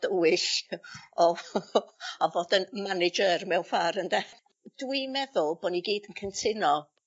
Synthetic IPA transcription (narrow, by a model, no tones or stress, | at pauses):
d̥əwɪʃ | ɔ | ɔvoːdənmanɪd͡ʒərmɛwfaɾəndɛ | d̥wimɛðʊlˠb̥ɔniɡiːdənkʰəntʰɪnɔ